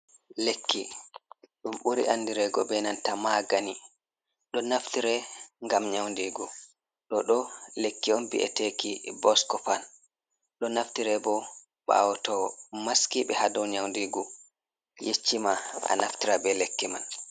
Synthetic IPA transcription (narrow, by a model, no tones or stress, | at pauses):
lekʰːḭ | ɗumɓuɾḭʔanːdiɾɛɡɔbɛnantamaɡani | ɗɔnaftiɾɛŋɡamɲawndiːɡu | ɗɔɗɔlekːiɔnbḭʔɛ̰tekibɔskɔfan | ɗɔnaftiɾɛbɔ | ɓa̰wɔtɔmaskiɓɛhadɔwɲawndiɡu | jet͡ʃːimaa̰naftiɾabɛlekːiman